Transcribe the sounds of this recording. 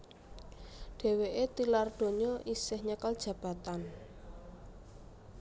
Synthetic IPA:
ɖ̥e̤weʔet̪ilard̪̥o̤ɲɔʔisɪhɲəkəld̥ʒ̥ä̤b̥a̤t̪an

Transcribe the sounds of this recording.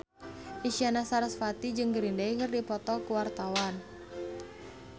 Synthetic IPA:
ʔiʃianasaɾasfat̪id͡ʒɨŋɡəɾindaikərdipɔt̪ɔkuwart̪awan

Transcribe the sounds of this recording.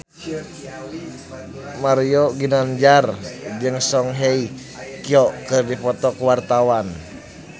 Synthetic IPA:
maɾijoɡinand͡ʒard͡ʒɨŋsɔŋɦei | kiɔkɨrdipɔt̪ɔkuwart̪awan

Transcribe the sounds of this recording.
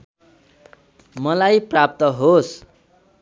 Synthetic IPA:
mʌlajprap̚t̪ʌɦos

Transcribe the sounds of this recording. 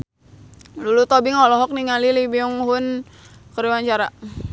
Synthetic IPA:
lulut̪obiŋɔlɔɦɔk̚niŋalilibiuŋɦʊn | kəɾiwaɲt͡ʃaɾa

